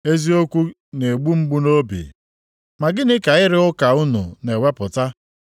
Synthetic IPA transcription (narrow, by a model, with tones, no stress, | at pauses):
e˦zi˦o˦kʷu˦ | ne˨ɡ͡bu˦ŋ͡m̩˦ɡ͡bu˦no˦bḭ˨ | ma˨ɡɪ˦nɪ˦ka˨ɪ˦ɾɪ˦ʊ˦ka˨ʊ˦nṵ˨ne˨we˦pʊ˨ta˦